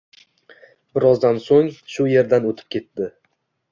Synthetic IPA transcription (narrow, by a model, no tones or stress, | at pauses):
bɪɾɒzd̪ansoŋʃʊje̞ɾd̪anot̪ʰɪ̥p̚kʲʰe̞t̪ːdɪ